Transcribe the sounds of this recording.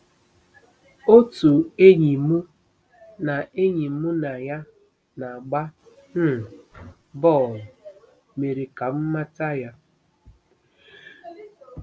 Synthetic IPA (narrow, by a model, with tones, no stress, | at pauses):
o˦tu˨e˦ɲi˨mu˦ | na˨e˦ɲi˨˦mu˦na˨ja˦ | na˨ɡ͡ba˦ | n̩˦˨ | bɔ˦˨ | me˨ɾe˨ka˨m̩˦ma˦ta˦ja˦